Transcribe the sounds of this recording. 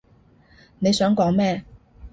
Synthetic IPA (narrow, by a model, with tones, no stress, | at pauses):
ne˨˧jsœː˨˥ŋkɔː˨˥ŋmɛː˥˨